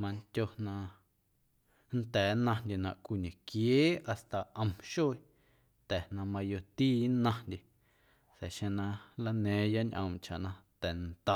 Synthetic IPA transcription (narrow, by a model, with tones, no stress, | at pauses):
mã˧nt̪ʲo˧nã˧ | n̩t̪ɛː˨˦nã˧ndʲe˨nã̰˨ʔkʷi˧˨ɲẽ˨kjeː˦a˨st̪a˨ʔə̃˧mʃoː˦ | t̪ɛ˨nã˧mã˧jo˧t̪iː˦nã˧ndʲe˧ | sɛ˨ʃẽ˧nã˧la˧nẽː˨˦ja˦ɲʔə̰̃˧mt͡ʃa̰˨ʔnã˧t̪ɛ˨nt̪a˦˨